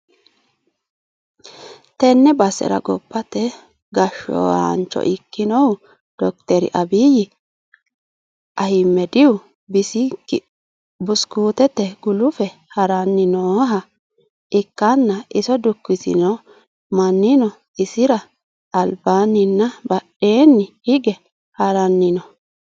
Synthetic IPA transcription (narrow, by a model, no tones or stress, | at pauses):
t̪ɛnːɛbɐsɛ̰ɾɐ̰ɡɔbːɐt̪ɛ | ɡɐʃːɔ̰ɐ̰nt͡ʃːɔ̰ʔɪkːɪnɔw | d̪̥ɔk̚t̪ɛɾɪ̰ʔɐbiːjɪ | ʔɐhɪmːɛd̪ɪʊ | bɪsɪ | bʊskuːt̪ɛt̪ːɛɡʊlʊfɛhɐɾɐnːɪnɔɦɐ | ʔɪkːanːɐʔɪsɔd̪ʊkːɪsɪ̰nɔ | mɐnːɪnɔ | ɪsɪɾɐː | lbaːnɪnːɐbɐɗe̞ːnːɪhɪɡɛ | hɐɾɐnːɪnɔ